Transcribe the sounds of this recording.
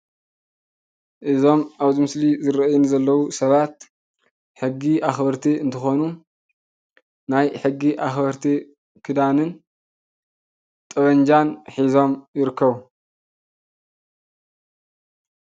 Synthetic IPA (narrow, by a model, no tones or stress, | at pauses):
ʔɨzo̞maβzɨmɨslizɨɾɐjunzɐlːɐwusɐβat̪ | ħɨɡːiʔaxbɐɾt̪ʰiɨnt̪ʰɨxo̞nu | najħɨɡːiʔaxbɐɾt̪ʰi | kʰɨd̪anɨn | t̪ʼɐβɐɲd͡ʒanħizo̞mjɪɾɨkːɐβu